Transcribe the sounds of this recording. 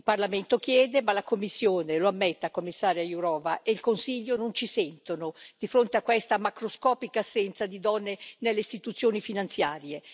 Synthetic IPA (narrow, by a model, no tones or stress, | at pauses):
ilparlament̪okjɛːd̪emalakomːisːjoːneloamːɛt̪ːakomːisːaːɾjajuɾɔːvaʔeilkonsiʎːonont͡ʃisɛnt̪onod̪̥ifɾont̪eakːwest̪amakɾoskɔːpikaːsːɛnt̪sad̪id̪ɔnːenelːeist̪it̪ut̪sːjoːnifinant̪sjaːɾje